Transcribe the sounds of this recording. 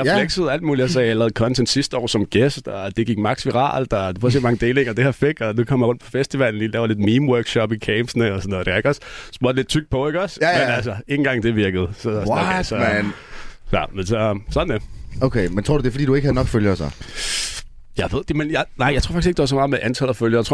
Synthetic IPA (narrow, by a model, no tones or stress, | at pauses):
jleɡ̥səð̩ˠæld̥̚muːliæls̬ɐjalɛːð̩ˠkʰɒ̽nt͡sʰend̥sisd̥əɒ̰ːsɒ̽mɡ̥esd̥ɒd̥e̝ɡ̥iɡ̥mɑ̈ɡ̥sʋiʁɑ̰̈ːld̥ɒd̥efɒsemɑ̈ŋəd̥e̝ːleŋɐd̥ehæɐfe̝ɡ̥ɒ̽nukʰɒ̽m̰ɐjɐʁɔ̽n̰̥̚pʰɒ̽fesd̥iʋæln̩dilɛːʊɐle̝d̥miːmwɜɐɡ̥ɕɒ̽b̥ikʰeːmsnəɒsɒnːɔːðˠd̥eeɡ̥ɒssm̥oɐd̥ele̝d̥̚t͡sʰyɡ̥̚pʰɒ̽e̝ɡ̥ɒsmenælsɐe̝ŋn̩ɡɑ̈ŋ̰d̥eʋiɐɡ̥əð̞̩ˠsɒ̥sɒ | jɑ̰mensɒsɒ̽d̥n̩d̥eoʊkʰeɪment͡sʰʁoɐ̰dud̥e̝fɒdḭːd̥ue̝ɡ̥h̩ˠnɒ̽ɡ̥føljsa̰ | jɑ̈ɪʋe̝ð̞̰ˠd̥menjɑ̈ɪnɑ̈ɪ̰ɑaɪʁo̰ɑ̥i̥se̥d̥eʋɑsɒ̽mɑ̈ːmeʔænt͡sʰæl̰̩ˠɒføljəɐjt͡sʰʁo